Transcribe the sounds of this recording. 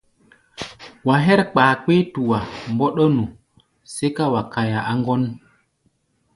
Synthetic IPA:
wa˨ɦɛ˦ɾk͡paː˨k͡pe˦tu˨wa˨mbɔ˦ɗo˦nu˨ | se˦ka˦wa˨ka˨ja˨ʔa˦ŋɡɔ˦n

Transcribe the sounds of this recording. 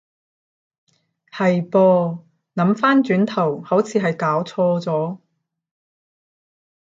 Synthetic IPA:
hɐ˨jpɔː˧ | nɐ˨˥mfaː˥nt͡ʃyː˨˥nt̪ʰɐ˨˩whɐ˨˥wt͡sʰiː˨˧ɦɐ˨jkaː˨˥wt͡sʰɔː˧t͡sɔː˨˥

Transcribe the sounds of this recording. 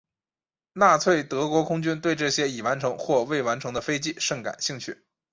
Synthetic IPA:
na˥˩t͡sʰwe˥˩ɪt̪ɤ˧˥kwɔ˧˥kʰʊ˥ŋt͡ɕy˥nt̪we˥˧ɪʈ͡ʂɤ˥˩ɕjɛ˥i˨˩wa˧˥nʈ͡ʂʰɤ˧˥ŋxwɔ˥˧we˥˩ɪwa˧˥nʈ͡ʂʰɤ˧˥ŋd̪ə˧fe˥ɪt͡ɕi˥˧ʂɤ˥˩ŋka̰˨˩nɕi˥˧ŋt͡ɕʰy˥˩

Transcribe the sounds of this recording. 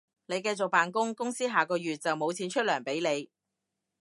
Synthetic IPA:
ne˨˧jkɐ˧jt͡so˨k̚paː˨nkʊ˥ŋkʊ˥ŋsiː˥ɦaː˨˩kɔː˧jyː˨t̚t͡sɐ˨wmo˨˧wt͡sʰiː˨˥nt͡ʃʰɵ˥t̚lœː˨˩ŋpe˨˥jne˨˧j

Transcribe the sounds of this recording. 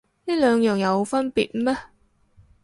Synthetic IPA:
niː˥lœː˨˧ŋjœː˨ŋjɐ˨˧wfɐ˥npiː˨t̚mɛː˥

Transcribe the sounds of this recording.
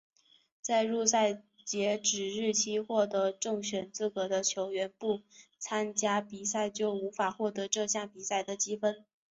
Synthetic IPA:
t͡sa˥˧ɪɻu˥˧sa˥˩ɪ | t͡ɕjɛ˧˥ʈ͡ʂɻ̩˨˩ɻɻ̩˥˩t͡ɕʰi˥xwɔ˥˩t̪ɤ˧˥ʈ͡ʂɤ˥˩ŋɕɥɛ˨˩nt͡sɹ̩˥˩kɤ˧˥d̪ə˧t͡ɕʰjo˧˥ʊɥɛ˧˥npu˥˩t͡sʰa˥nt͡ɕja˥pi˨˩sa˥˧ɪt͡ɕjo˥˩ʊu˧˥fa˨˩xwɔ˥˩t̪ɤ˧˥ʈ͡ʂɤ˥˧ɕja˥˩ŋpi˨˩sa˥˩ɪd̪ə˩t͡ɕi˥fə˥n

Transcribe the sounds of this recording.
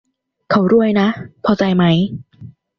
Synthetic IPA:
kʰa˦˥˩wɾu˥˩əjna˦˥ʔpʰɔː˧t͡ɕa˧jma˦˥j

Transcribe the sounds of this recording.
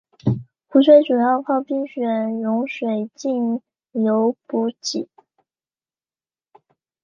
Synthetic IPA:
xu˧˥sʰwe˥ɪʈ͡ʂu˨˩jɑ˥˧ʊpʰɑ˥˧ʊpi˥ŋɕɥɛ˨˩˦nɻʊ˧˥ŋʂwe˨˩ɪt͡ɕi˥˩n | jo˧˥ʊpu˧˥t͡ɕi˨˩˦

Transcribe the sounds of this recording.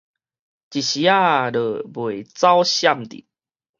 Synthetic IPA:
t͡ɕi˨ɕi˨a˥˨ɾə˨˩bwe˨˩˨t͡sa˦wɕja˥˧˨mt̪ḭ˨

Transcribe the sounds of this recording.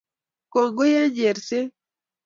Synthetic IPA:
ko˨ŋɡo˦ja˦ɲd͡ʒe˨ɾse˦

